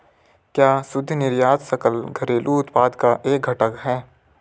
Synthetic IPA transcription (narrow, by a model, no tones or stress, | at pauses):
kjaːsʊd̪ʱːnɪɾjaːt̪səkəlɡʱɐɾeːlʔuʊt̪paːd̪kaʔeːk̚ɡʱɐʈəkɦɛː